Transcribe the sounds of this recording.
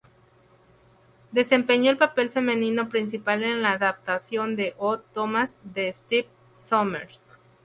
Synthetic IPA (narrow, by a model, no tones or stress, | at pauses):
d̪e̞se̞mpe̞ɲo̞elpape̞lfe̞mẽ̞nĩno̞pɾins̬ipale̞nlaːðap̚t̪asjo̞nd̪e̞ʔot̪omazðe̞st̪ip̚ | someɾs